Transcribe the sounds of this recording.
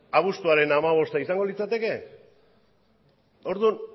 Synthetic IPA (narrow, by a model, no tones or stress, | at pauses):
aβ̞ust̪uaɾe̞namaβ̞o̞st̪aisaŋɡo̞lit͡sat̪e̞ke̞ | o̞ɾðun